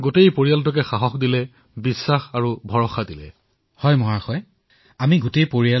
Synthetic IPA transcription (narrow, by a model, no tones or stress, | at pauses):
ɡutejpoɹijaltɔk̬ɛxaɦɔxdilɛ | bisːaxaɹubʱɔɹɔxadilɛ̰ | hɔjmɔɦaxɔj | amiɡutejpoɹija